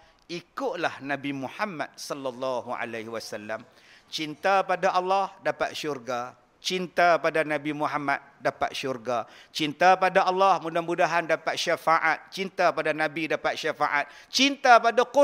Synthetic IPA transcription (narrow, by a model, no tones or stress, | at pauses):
ikʊʔlahnãbimuħamːa̰t̪̚sɔlːalːɑɦuʔa̰lahwasalːam | t͡ʃint̪apadaʔɑlːɑhdapa̰t̪̚ʃurɡa | t͡ʃint̪apadanãbimuɦama̰t̪̚dapa̰t̪̚ʃurɡat͡ʃint̪apadaʔɑlːɑhmũdahmudaɦandapat̪̚ʃafaʔat̪̚t͡ʃint̪apadanãbidapat̪̚ʃafaʔat̪̚t͡ʃint̪apadaku